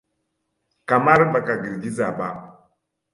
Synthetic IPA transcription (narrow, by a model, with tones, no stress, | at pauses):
ka˨ma˦ɾba˨ka˨ɡi˨ɾɡi˦za˨ba̰˦˨